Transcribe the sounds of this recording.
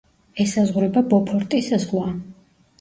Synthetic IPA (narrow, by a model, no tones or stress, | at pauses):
ɛsazʁɾɛbabɔpʰɔɾt̪ʼisazʁlˠa